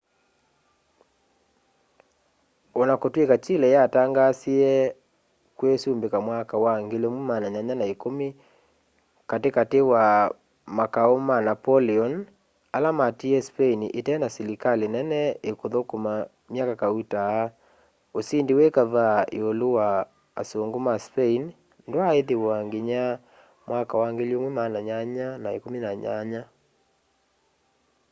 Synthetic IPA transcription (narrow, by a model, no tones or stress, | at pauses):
ɔnakotwekat͡ʃilɛjataŋɡasiɛ | kwesuːmbekamwakawaŋɡelemumanaɲaɲanaekome | katekatewa | makaomanapɔliɔn | alamatiɛspɛiniʔetɛːnasɛlikalenɛnɛekoðokoma | mjakakautaː | osindiwekaβaḛolowa̰ː | soŋɡomaspɛin | ndwaeðewaŋɡeɲa | mwakawaŋɡeljomwɛmanaɲaɲanaekominaɲaɲa